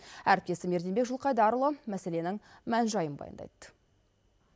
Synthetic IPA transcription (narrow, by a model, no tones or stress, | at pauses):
æɾɪp̪̚ʲe̞sɪme̞ɾd̪ebekʒʊlˠqɑjd̪ɑɾəlˠəmæse̞le̞nɪŋmænʒɑjənbɑ̰jə̰nd̪ɑ̰jt̪ːə̥